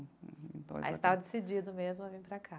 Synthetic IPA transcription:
ĩpɔ̰a̰ist̪avɐd̪esid͡ʒid̪ʊmezmʊavĩpɾakʰa

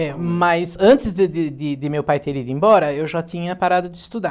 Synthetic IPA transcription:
ɛmɐzɐ̃nt̪ɪzd̪ɪd̪ɪd̪ɪd̪ɪmewpajt̪eɾid̪ʊẽbɔɾɐewʒat̪ĩɲɐpaɾad̪ʊd̪ɪːst̪ud̪a

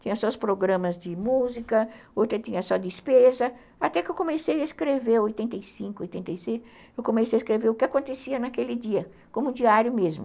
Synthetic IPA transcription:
t͡ʃ̪ĩɲɐsɔʊspɾoɡɾɐ̃mɐzd͡ʒɪmuzikɐowt̪ɾɐt̪ĩɲɐsɔd̪ɪspezɐ | at̪ɛkɪewkõmesejɐeskɾeveɾojt̪ẽnt̪ejsĩŋkʊojt̪ẽnt̪ejsejs | ewkõmesejɐeskɾeveɾʊkɪakõnt̪esiɐnakelɪd͡ʒiɐ | kõmʊũd͡ʒiaɾjʊmezmʊ

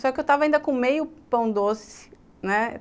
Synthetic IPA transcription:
sɔkɪewt̪avɐaĩnd̪ɐkõmejʊpɐ̃w̃d̪osɪ̥ | nɛ

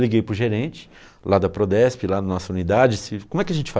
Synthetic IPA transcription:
liɡejpɾʊʒeɾẽt͡ʃɪ̥ | lad̪ɐpɾod̪ɛspɪlad̪ɐnɔsɐũnid̪ad͡ʒɪsɪkõmʊɛkɪɐʒẽnt͡ʃɪ̥fa

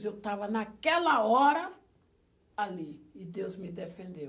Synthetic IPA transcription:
zewt̪avɐnakɛlɐɔɾɐ | aliɪd̪ewzmɪd̪efẽnd̪ew

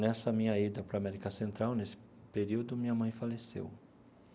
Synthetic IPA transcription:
nɛsɐmĩɲɐid̪ɐpɾamɛɾikɐsẽnt̪ɾawnesɪ̥ | peɾiwd̪ʊmĩɲɐmɐ̃j̃falesḛw

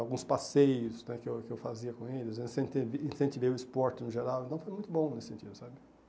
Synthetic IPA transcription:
awɡũspasejʊsnɛkɪewkɪewfaziɐkõelɪzĩsẽt̪evĩsẽnt̪iveʊispɔɾt͡ʃɪnʊʒeɾawẽnt̪ɐ̃w̃fojmũj̃t̪ʊbõnesɪ̥sẽnt͡ʃid̪ʊsabɪ

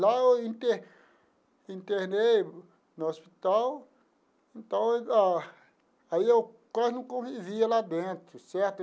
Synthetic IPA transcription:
laewĩnt̪e | ĩnt̪eɾnej | nɐospit̪aw | ẽnt̪ɐ̃w̃a | aiewkwaznɐ̃w̃kõviviɐlad̪ẽnt̪ɾʊsɛɾt̪

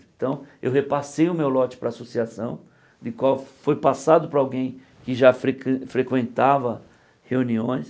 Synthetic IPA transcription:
ẽt̪ɐ̃w̃ḛwhepasejʊmewlɔt͡ʃɪ̥pɾɐːsosiasɐ̃w̃ | d̪ɪkwawfojpasad̪ʊpɾɐawɡẽj̃ | kɪʒafɾekfɾekwẽnt̪avɐ | heũniõj̃s

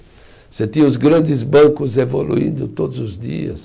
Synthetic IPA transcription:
set̪ĩʊz̬ɡɾɐ̃nd̪ɪzbõwkʊzevolṵḭ̃nd̪ʊt̪od̪ʊzʊzd̪ḭɐ̰s

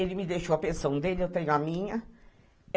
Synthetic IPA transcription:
elɪmɪd̪ejʃowɐpẽsɐ̃w̃d̪elɪewt̪ẽɲʊ̃ɐmĩɲɐ

